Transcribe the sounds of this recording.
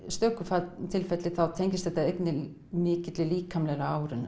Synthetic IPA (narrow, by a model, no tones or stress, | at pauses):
st̪œːkʏfaːt̪ʰɪlfɛt̪lɪθawt̪ʰejɲcɪst̪θɛht̪aejt̪nɪ | mɪːcɪt̪lɪliːkʰamlɛɾaaːwɾɪn